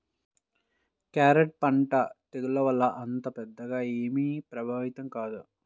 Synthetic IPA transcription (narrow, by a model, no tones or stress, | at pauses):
kaːɾeʈ̚pɐɳʈɐt̪ed̪ulɐʋɐlːɐʔɐnt̪ɐpɛd̪ːɐɡaːeːmipɾɐbʱaːʋit̪ɐmkaːd̪u